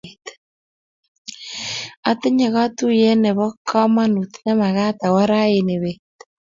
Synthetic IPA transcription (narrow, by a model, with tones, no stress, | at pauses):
t | a˨t̪e˦ɲe˨ɣa˦t̪u˦jɛ˦nɛ˨βɔ˦kʰːa˦ma˦nu˨t̪na˦ma˨ɣa˦t̪a˨wa˦ɾa˦ene˨βet̪